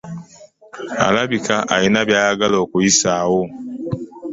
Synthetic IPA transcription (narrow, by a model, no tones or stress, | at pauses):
a̰laβikaʔajinaβjaːjaɡaloːkujisawo